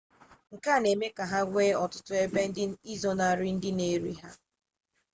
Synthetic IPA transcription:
ŋ̩˨ka˦˨ne˨me˦ka˨ɦa˦ɡʷeː˦ɔ˨tʊ˦tʊ˦e˦be˦n̩˦dɪ˦i˦zɔ˦na˨ɾɪ˦n̩˦dɪ˦ne˨ɾi˦ɦa˦

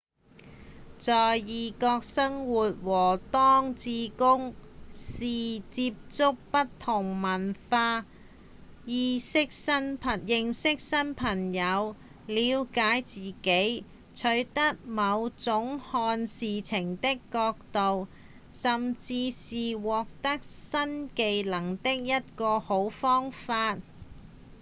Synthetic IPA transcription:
t͡sɔː˨jjiː˨kɔː˧k̚sɐ˥ŋwuː˨t̚wɔː˨˩t̪ɔː˥ŋt͡siː˧kʊ˥ŋsiː˨˩t͡siː˧p̚t͡sʊ˥k̚pɐ˥tt̪ʰːʊ˨˩ŋmɐ˨˩nfaː˧ | jiː˨˧sɪ˥k̚sɐ˥npʰɐ˨jɪ˨ŋsɪ˥k̚sɐ˥npʰɐ˨˩ŋjɐ˨˧w | liː˨˧wkaː˨˥jt͡siː˨ke˨˥j | t͡ʃʰɵ˨˥ɥt̪ɐ˥k̚mɐ˨˧wt͡sʊ˨˥ŋhɔː˧nsiː˨t͡sʰɪ˨˩ŋt̪ɪ˥kːɔː˧k̚t̪o˨w | sɐ˨mt͡siː˧siː˨wɔː˨k̚t̪ɐ˥k̚sɐ˥nke˨˧jlɐ˨˩ŋt̪ɪ˥k̚jɐ˥t̚kɔː˧ho˨˥wfɔː˥ŋfaː˧t̚

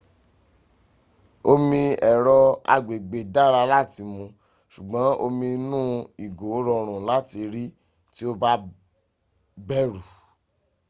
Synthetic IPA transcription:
o˧mĩ˧ɛ˨ɾɔ˧a̰˧ɡ͡be˨ɡ͡be˨da˦˨ɾa˧la˦˨ti˧mũ˧ | ʃu˨ɡ͡bɔ̃˨˦o˧mĩ˧nũ˦i˨ɡo˨˦ɾɔ˧ɾ̃ũ˨la˦ti˧ɾi˦ | ti˦o˦ba˦ | bɛ˦ɾu˨

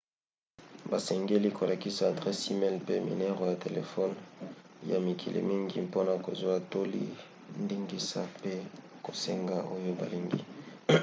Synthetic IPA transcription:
ba˨sɛ˨ŋɡe˦li˦ko˨la˨ki˦sa˨dʁɛ˦si˦mɛ˦lpe˦mḭ˨nɛ˦ʁo˨ja˨te˨lḛ˨fɔ˦nja˨mi˨kʰi˨lḭ˨mi˦ŋɡi˦po˦na˨ko˨zwa˦to˦lḭ˦ | ndi˦ŋɡi˦sa̰˦pe˦ | ko˨se˦ŋɡa˦ʔo˦jo˦ba̰˨li˦ŋɡḭ˦

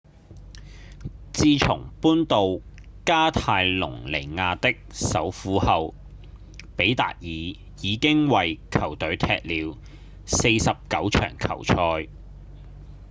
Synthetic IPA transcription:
t͡siː˧t͡ʃʰʊ˨˩ŋpuː˥nt̪o˨wkaː˥t̪ʰaː˧jlʊ̰˨˩ŋle˨˩jŋaː˧t̪ɪ˥k̚sɐ˨˥wfuː˨˥hɐ˨w | pe˨˥jt̪a̰ː˨k̚jiː˨ | jiː˨˧kɪ˥ŋwɐ˨jkʰɐ˨˩wt̪ɵ˨˥ɥt̪ʰɛ̰ː˧k̚liː˨˧w | se˧jsɐ˨p̚kɐ˨˥wt͡ʃʰœ̰ː˨˩ŋkʰɐ̰˨˩wt͡ʃʰɔː˧j

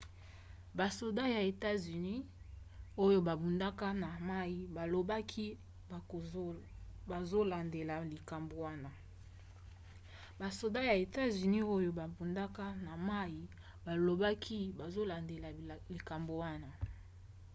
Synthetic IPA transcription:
ba˨so˨da˦ja˨e˨ta˦zy˨ni˦ | o˦jo˦ba˨bu˨nda˦ka˦na˨ma˦ji˦ba˨lo˨ba˦kʰi˦˨ | ba˨zo˦la˨nde˨la˨li˨ka˨mbo˨wa˦na˦ | ba˨so˨da˦ja˨e˨ta˦zy˨ni˦o˦jo˦ba˨bu˨nda˦ka˦na˨ma˦ji˦ | ba˨lo˨ba˦kʰi˦ba˨zo˦la˨nde˨la˨li˨ka˨mbo˨wa˦na˦

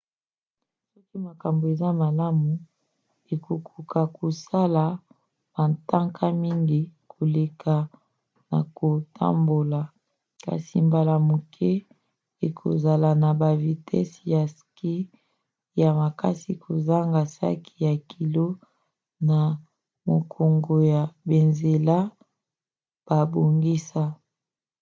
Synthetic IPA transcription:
sɔ˦ki˦ma˨ka˨mbo˨e˨za˦ma˨la˦mu˨ | e˨kʰo˨kʰu˨ka˨ko˨sa˦la˨ | b̥a˨nta˦ŋkʰa˦mi˦ŋɡi˦kʰo˨le˨kʰa˨ | na˨ko˨tʰa̰˦mbo˨la˨ | ka̰˨si˨mba˨la˨mo˨kʰɛ˦ | e˨kʰo̰˨za˨la˨na˨ba˨vi˨tʰɛ̰˦sja˨ski˦ | ja˨ma˨ka˦si˨kʰo˨za˦ŋɡa˨sa̰˦kʰi˨ja˨kʰi˨lo˦ | na˨ | mo˨kʰo˨ŋɡo˨ja˨be˨nze˨la˦ | b̥a˨bo˨ŋɡi˦sa˦

